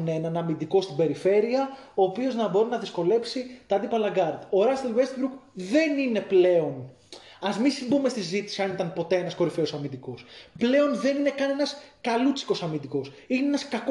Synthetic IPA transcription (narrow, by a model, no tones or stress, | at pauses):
nenɐnɐmind̪iko̞st̪ibe̞ɾife̞ɾiɐoːpio̞znɐbo̞ɾinɐðisko̞le̞psit̪ɐɐd̪ipɐlɐɡɐɾd̪o̞ɾɐst̪elvest̪bɾukðe̞nine̞ple̞o̞n | ɐzminsimbumest̪isizit̪i̥siɐnit̪ɐnpo̞t̪e̞enɐsko̞ɾifeo̞sɐmind̪iko̞sple̞o̞nðe̞nine̞kɐne̞nɐskɐlut͡si̥ko̞sɐmind̪iko̞s | inenɐskɐk